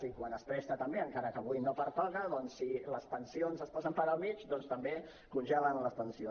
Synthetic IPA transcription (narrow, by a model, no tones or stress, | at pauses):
ikwanəspɾɛst̪ət̪əmbeəŋkaɾəkəβujnopəɾpaɣəðɔnsːiləspənsionzəspɔzəmpəɾəlˠmit͡ʃd̪ɔnst̪əmbe | kunʲʒɛlənləspənsio